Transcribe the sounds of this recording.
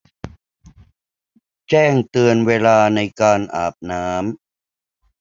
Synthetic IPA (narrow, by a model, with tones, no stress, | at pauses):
t͡ɕɛː˥˩ŋt̪ɯ˧ənweː˧laː˧na˧jkaː˧nʔaː˨˩p̚naː˦˥m